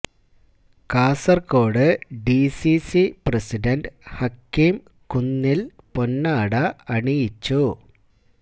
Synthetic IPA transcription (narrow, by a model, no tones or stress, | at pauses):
kaːsɐrko̞ːɽɨɖisisiprɐsidɐnɖhɐkːim | kunːil | po̞nːaːɽɐːɳijit͡ɕːu